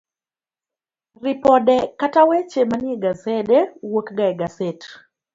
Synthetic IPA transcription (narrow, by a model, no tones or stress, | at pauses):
ripɔdɛkatawɛt͡ʃemanɪeɡasɛdɛwokɡaɛɡasɛt